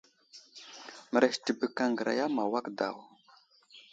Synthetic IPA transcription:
mə˨ɾa˨ʃtə˨bə˨ka˨ŋɡə˨ɾa̰˨ja˦ma˨wa˦kda̰˨w

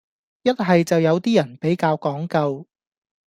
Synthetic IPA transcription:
jɐ˥t̚ɦɐ˨jt͡sɐ˨wjɐ˨˧wt̪iː˥jɐ˨˩npe˨˥jkaː˧wkɔː˨˥ŋkɐ˧w

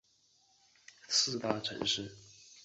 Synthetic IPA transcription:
sʰɹ̩˥˧t̪a˥˩ʈ͡ʂʰə˧˥ŋʂɻ̩˥˩

